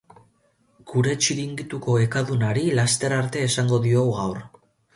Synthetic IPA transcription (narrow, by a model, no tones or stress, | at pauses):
ɡ̥uɾe̞t͡ʃiɾiŋɡit̪uko̞e̞kaðunaɾilast̪e̞ɾaɾt̪e̞ːsaŋɡo̞ðio̞wɣawr